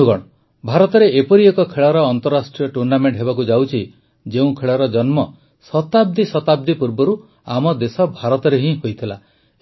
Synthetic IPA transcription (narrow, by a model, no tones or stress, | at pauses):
kɔɽɔ | bʱaɾɔt̪ɔɾeepɔɾiekɔkʰeɭɔɾɔːnt̪ɔɾːasʈɾiɔʈuɾnameɳʈɦeβakud͡ʒawt͡ʃʰi | d͡ʒeũkʰeɭɔɾɔd͡ʒɔnmɔ | sɔt̪ab̚d̪isɔt̪ab̚d̪ipuɾbɔɾu | amɔd̪esɔbʱaɾɔt̪ɔɾeɦĩɦojt̪ʰila̰